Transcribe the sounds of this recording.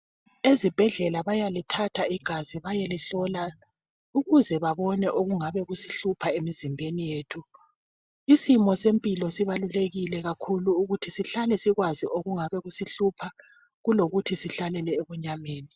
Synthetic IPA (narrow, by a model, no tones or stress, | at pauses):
ezib̥ʱɛɮɛlaβajalitʰatʰaiɡ̥ʱaziβajeliɬɔla | uɣuzɛβaβɔnɛʔoɣuŋaβɛɣusiɬupʰaemizimbʱenijeːtʰu | isimɔsempʼilɔsiβaluleɣilɛɣakʰuluːɣutʰisiɬalɛsiɣwaziʔoɣuŋaβɛɣusiɬupʰa | ɣuloɣutʰisiɬalɛlɛeβuɲameːni